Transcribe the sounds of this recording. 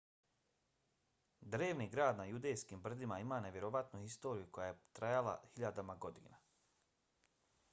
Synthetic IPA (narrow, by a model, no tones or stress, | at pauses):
d̪ɾeːʋniɡɾaːd̪najud̪e̞jskiːmbr̩d̪imaimaːne̞ʋʲjeɾoʋat̪nuhist̪o̞ːɾijuko̞jajet̪ɾajalˠa̰hiʎad̪amaɡo̞d̪ḭːna